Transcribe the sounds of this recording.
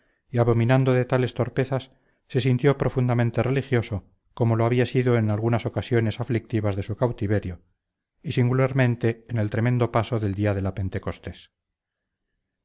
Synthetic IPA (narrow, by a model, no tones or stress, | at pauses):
iaβo̞mĩnand̪oðe̞t̪ale̞st̪o̞ɾpe̞θasː | e̞sint̪jo̞pɾo̞fund̪amẽ̞nt̪e̞re̞lixjo̞so̞ | ko̞mo̞loaβiasiðo̞enalɣunaso̞kasjo̞ne̞saflik̚t̪iβazðe̞sukawt̪iβe̞ɾjo̞ | isiŋɡulaɾmẽ̞nt̪e̞ːne̞lt̪ɾe̞mend̪o̞paso̞ðe̞ld̪iaðe̞lape̞nt̪e̞ko̞st̪e̞s